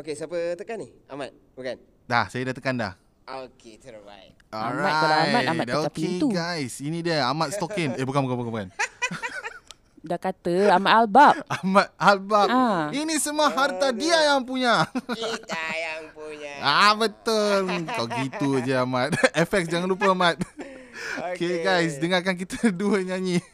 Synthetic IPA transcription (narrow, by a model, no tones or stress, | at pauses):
okesapət̪əkani | amat̪̚bukan | dahsajadat̪əkanda̰h | okea̰j | ɔɾmaaaajmatamat̚oaket̪uɡajsinidiaamat̪̚st̪ɔkɪnebukanbukabukabukan | dakat̪əamat̪albapamat̪̚albapinisəmuaɦart̪adiajaŋp̬uɲa | abət̪əlt̪ɔʔɡit̪ud͡ʒəamat̪̚ɛfɛk̚sd͡ʒaŋanlup̬əamat̪̚ | okeɡajs̬dəŋakank̬it̪əduəɲãɲi